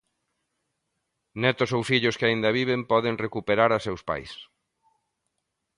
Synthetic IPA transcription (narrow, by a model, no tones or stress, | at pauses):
nɛt̪ʊsowfiʎʊskɪaind̪ɐβiβempɔðeŋrekupeɾaɾasewspa̰js